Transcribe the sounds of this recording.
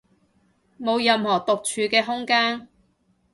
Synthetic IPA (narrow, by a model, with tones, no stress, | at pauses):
mo˨˧wjɐ˨mhɔː˨˩t̪ʊ˨k̚t͡ʃʰyː˨˧kɛː˧ɦʊ˥ŋkaː˥n